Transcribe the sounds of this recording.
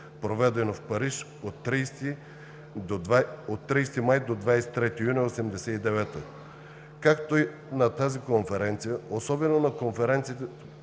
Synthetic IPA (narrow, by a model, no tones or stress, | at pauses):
pɾovɛd̪ɛnofpɐɾiʃ | ot̪ːɾist̪i | d̪ovaot̪ːɾijst̪imajd̪od̪vajsɛ̥t̪ɾɛt̪ijunʲiosɛmd̪ɛsɛid̪ɛvɛt̪ə | kakt̪oi | nɐt̪azikonfɛɾɛnt̪sijəosɔbɛnonɐkonfɛɾɛnt̪sit̪ɛ